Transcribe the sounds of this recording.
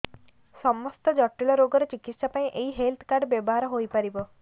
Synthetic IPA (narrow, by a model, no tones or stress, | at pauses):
sɔmɔst̪ɔd͡ʒɔʈːilɔɾoɡɔɾɔt͡ʃikit̪sapaĩʔeɦiɦelt̪ʰkaɾɖbjɔbɔɦaɾɔɦojpaɾibɔ